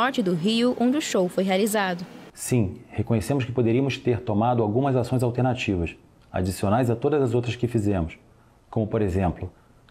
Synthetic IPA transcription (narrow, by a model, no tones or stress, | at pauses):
ɔɾt͡ʃɪd̪ʊɦiʊʔõd͡ʒɪʊʃowfojɦealizad̪ʊsĩhekõɲesẽmʊskɪ̥pod̪eɾiɐmʊst̪eɾt̪omad̪ʊawɡũmɐzasõj̃zawt̪eɾnat͡ʃivɐs | a̰d͡ʒisionajzat̪od̪ɐzɐzowt̪ɾɐskɪfizẽmʊs | kõmʊpoɾezẽmplʊ